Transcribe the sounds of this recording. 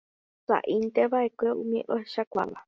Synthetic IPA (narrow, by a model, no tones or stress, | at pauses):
sa̰ʔint̪eβaekʷeumĩʔoʃakʷa̰βa